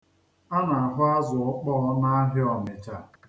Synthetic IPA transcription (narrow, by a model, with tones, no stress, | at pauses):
a˦na˨a˨ɦʊ˦a˦zʊ˨ʊ˦k͡pɔ˦ɔ˦na˦ɦɪ˦ɔ˨mɪ˨t͡ʃa˦